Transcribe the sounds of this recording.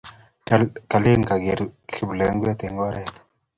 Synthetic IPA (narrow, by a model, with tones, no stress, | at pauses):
ka˨le˦ŋka˨ɡe˨ɾki˨blɛ˨˦ŋɡwɛ˦t̪e˨ŋɡɔ˦ɾɛ˨t̪